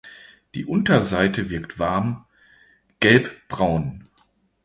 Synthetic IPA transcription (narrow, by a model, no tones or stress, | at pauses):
d̥ḭːʔʊntɐzaɪtəvɪɐktv̥aɐm | ɡ̥ɛlpb̥ʁaʊn